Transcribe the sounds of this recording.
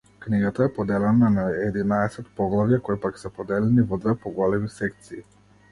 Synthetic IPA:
kniɡat̪aɛpɔd̪ɛlɛnanaɛd̪inaɛsɛt̪pɔɡlˠavijakɔjpaksɛpɔd̪ɛlɛnivɔd̪vɛpɔɡɔlɛmisɛk̚t̪siː

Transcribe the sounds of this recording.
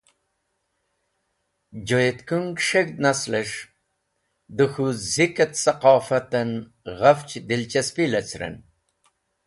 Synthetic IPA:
d͡ʑojet̪kuŋɡʂeɡd̪naslɐʂ | d̪uxuzikɐt̪sɐqɑːfɐt̪ɐn | ɣɐft͡ʃd̪ilt͡ʃɐspilɐt͡sɾɐ̰n

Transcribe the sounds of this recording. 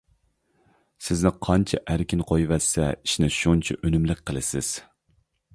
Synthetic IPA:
sɪznɪqʰɑnt͡ʃʰɛʔæɾkʲinqʰojvɛsːɛ̰iʃnɪʃunt͡ʃʰɛʔønymlɪk̚ʲqʰːəlˠɨsɪ̰z̥

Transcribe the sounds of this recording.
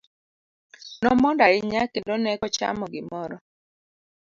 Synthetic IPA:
nɔmɔndaɪɲakendonɛkɔt͡ʃa̰mɔɡɪmɔɾɔ

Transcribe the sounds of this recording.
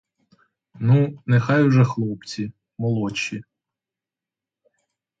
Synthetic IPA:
nunexɑjwʒɛxlˠɔpt͡sʲi | mɔlˠɔt͡ʃːi

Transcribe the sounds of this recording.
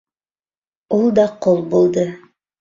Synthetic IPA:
ulˠd̪ɑqolˠbulˠd̪ɤ

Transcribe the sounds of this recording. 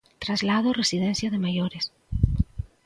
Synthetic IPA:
t̪ɾazlaðoresið̞ẽnθjaðemajoɾes

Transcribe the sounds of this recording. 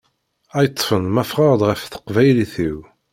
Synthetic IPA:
æjət̪ˤːfənmæfʁɑʁd̪ʁəfθə̥qvæjliθiw

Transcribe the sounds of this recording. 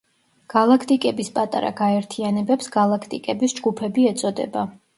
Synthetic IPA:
ɡ̥alˠakʰt̪ʼikʼɛbispʼat̪ʼa̰ɾa̰ɡaɛɾt̪ʰianɛbɛpsɡalˠakʰt̪ʼikʼɛbisd͡ʒɡupʰɛbiɛt̪sʼɔd̪ɛ̰ba

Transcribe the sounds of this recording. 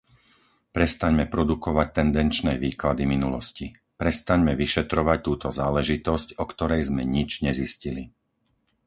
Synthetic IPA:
pɾɛst̪aɲmɛpɾɔd̪ukɔʋac̚t̪ɛnd̪ɛnt͡ʃnɛːʋiːklad̪iminulɔsci | pɾɛst̪aɲmɛʋiʃɛt̪ɾɔʋac̚t̪uːt̪ɔzaːlɛʒit̪ɔscɔkt̪ɔɾɛjzmɛɲid͡ʒɲɛziscili

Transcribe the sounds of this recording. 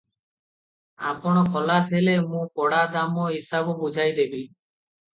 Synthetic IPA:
a̰pɔɽ̃ɔkʰɔlasɦelemũkɔɽad̪amɔɦisabɔbud͡ʒʱajd̪ebi

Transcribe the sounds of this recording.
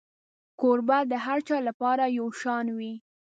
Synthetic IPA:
koɾbad̪əɦaɾt͡ʃɑlapɑɾajawʃɑnwi

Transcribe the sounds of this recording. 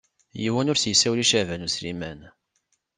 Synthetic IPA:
jiwænʊɾsjəsːæwliʃævænuslḭmæn

